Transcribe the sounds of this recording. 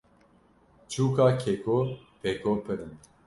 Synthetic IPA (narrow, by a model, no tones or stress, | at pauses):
t͡ʃuːkaːkʰekopʰekoːpʰɨɾɨn